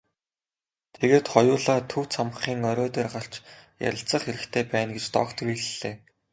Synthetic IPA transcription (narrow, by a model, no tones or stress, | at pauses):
t̪ʰeɣeːt̪χɔjʊːɮaːt̪ʰɵw̥t͡sʰamχiːŋœɾʲɔːt̪eːrɢaɬt͡ɕja̰ɾʲɪ̆ɬt͡sə̆χxeɾɘ̆xt̪ʰeːpæːnɡet͡ɕt̪ɔ̰ːkt̪ʰriːɮɘɮeː